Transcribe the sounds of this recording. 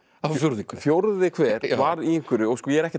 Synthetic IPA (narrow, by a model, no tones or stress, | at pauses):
afjowɾðiŋkfjowɾðʏðɪkʰvɛːɾ̥vaɾiiŋ̥kɪɾʏɔɣskɔːjɛɛɾɛhcɪ